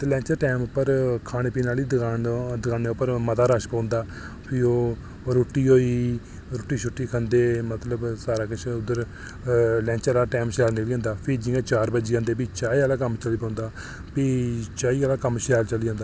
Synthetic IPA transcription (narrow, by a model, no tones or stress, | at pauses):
t̪eːlɛ̃ːt͡ʃəɾʈɛːmʊpːəɾkʰaːɽ̃eːpiːnaːliːd̪aːnd̪əkʰaːneːʊpːəɾmət̪aːɾəʃpãːnd̪aː | pʰɪoː | ɾoːʈːiːɦoːiː | ɾoːʈːiːʃʰʊʈːiːkʰənd̪eːmət̪ləbsaːɾaːkɪt͡ʃʰʊd̪ːəɾ | lɛ̃ːnt͡ʃəɾaːʈɛːmʃɛːlnɪkliːãːnd̪aːpʰɪd͡ʒiːãːt͡ʃaːɾbəd͡ʒiːãːnd̪eːpiːt͡ʃaːiːaːlaːk̬əmt͡ʃəliːpãːnd̪aː | piːt͡ʃaːiːaːlaːkəmʃɛːlt͡ʃəliːd͡ʒãːnd̪aː